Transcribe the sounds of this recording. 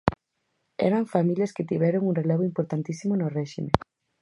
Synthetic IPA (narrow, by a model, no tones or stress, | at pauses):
ɛ̰ɾaɱfamiljɐsket̪iβɛɾoŋunreleβ̞oʊimpoɾt̪ant̪isimonorɛʃimḛ